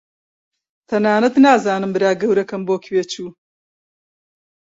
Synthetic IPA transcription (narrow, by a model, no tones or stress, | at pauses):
t̪ʰɐnaːnɐt̪naːzaːnɨmbɨɾaːɡɐwɾɐkɐmboːkʰweːt͡ʃʰuː